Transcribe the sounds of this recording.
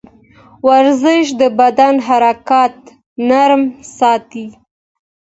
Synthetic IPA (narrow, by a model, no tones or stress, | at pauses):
waɾzɪʃ̬d̪əbad̪anɦaɾakɑt̪ | naɾmsɑt̪i